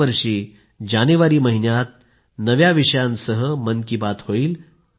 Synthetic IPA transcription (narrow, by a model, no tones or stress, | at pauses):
əɾʂiː | d͡ʑanuʋaɾiːməɦinjat̪̚ | nəʋjaʋiʂəjãnsəɦəmənkibat̪hoiːl